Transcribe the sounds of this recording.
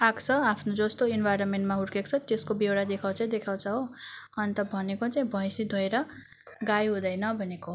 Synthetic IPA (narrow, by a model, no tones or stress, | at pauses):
akt͡sʰʌapʰnod͡zʌst̪oinbʱajɾʌnmeɳʈmaɦuɽkekt͡sʰʌt̪eskobewɽad̪ekʰawt͡saĩd̪ekʰawt͡sʰʌɦoʌnt̪ʌbʱʌnekot͡saĩbʱʌjsid̪ʱoeɾʌ | ɡajɦũd̪ʌjnʌbʱʌneko